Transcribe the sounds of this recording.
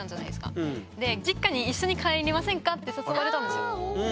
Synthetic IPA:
ãɲd͡ʑana̰id̪esɨ̥ka̰d̪e̞d͡ʑikːaɲ̟iːɕːo̞ɲ̟ikʰaeɾʲimasẽŋkat̪ːe̞sosoβaɾet̪ãnd̪esɨjo

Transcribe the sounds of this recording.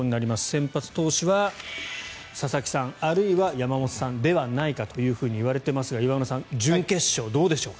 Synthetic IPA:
oɲ̟inaɾʲimasɨ̥sẽ̞mpat͡sɨ̥t̪o̞ːɕiβa | sasakʲi̥sãŋaɾɯ̟iβajamamo̞t̪o̥sãnd̪e̞βanaikat̪o̞jɯ̟ːɸɯ̟ːɲ̟iːβaɾe̞t̪e̞masɨɡaiβanosãnd͡ʑɨ̃ŋke̞ɕːo̞ːd̪o̞ːd̪e̞ɕo̞ː

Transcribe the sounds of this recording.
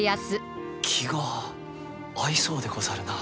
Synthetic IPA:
jasɨ | kʲʰiɡa | iso̞ːd̪e̞ko̞zaɾɯna

